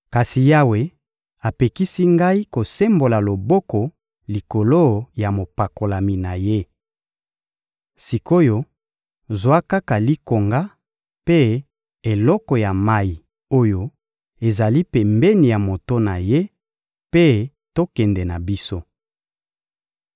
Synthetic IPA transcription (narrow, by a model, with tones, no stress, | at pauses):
ka˨si˨ja˦we˨ | a˨pe˨ki˦si˦ŋɡa˦i˦ko˨se˦mbo˨la˨lo˨bɔ˦kɔ˨ | li˨ko˨lo˦ja˨mo˨pa˨ko˨la˨mi˨na˨je˦ | si˨ko˦jo˦ | zwa˦ka˦ka˨li˦ko˨ŋɡa˦ | pe˦ | e˨lɔ˦kɔ˨ja˨ma˦ji˨ | o˦jo˦ | e˨za˨li˦pɛ˨mbɛ˦ni˨ja˨mo˨to˦na˨je˦ | pe˦ | to˦kɛ˨nde˨na˨bi˦so˦